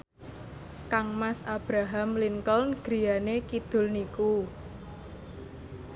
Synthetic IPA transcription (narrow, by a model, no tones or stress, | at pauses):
kaŋmasab̥ɾaɦamliŋkɔlnɡ̥ɾi̤janekid̪̥ʊ̤lniku